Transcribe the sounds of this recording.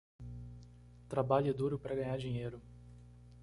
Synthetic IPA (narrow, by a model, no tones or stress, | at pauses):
t̪ɾabaʎɛd̪uɾʊpɾɐɡɐ̃ɲaɾd͡ʒiɲejɾʊ